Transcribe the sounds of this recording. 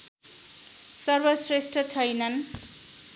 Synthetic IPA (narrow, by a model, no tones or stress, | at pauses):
sʌrbʌsresʈʌt͡sʰʌjnʌn